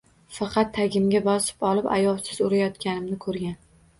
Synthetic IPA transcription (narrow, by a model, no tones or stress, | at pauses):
fɑqʰɑt̪ʰːaɡʲɪmɡʲabɒsɪ̥pɒlˠɪpa̰jɒlˠsɪzʊɾajɒt̪kʲanɪmnɪkʰɵɾɡʲan